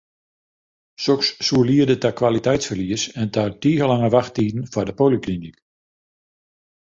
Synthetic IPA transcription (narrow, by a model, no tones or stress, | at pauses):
soksːuəliədətakwalitɛjtsfərliəsɛntʰadiːɣəlaŋəʋaxtiːdn̩fɔrdəpoliklinik